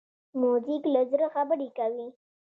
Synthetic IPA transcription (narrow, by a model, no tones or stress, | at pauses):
muziklazɾəxabəɾikawi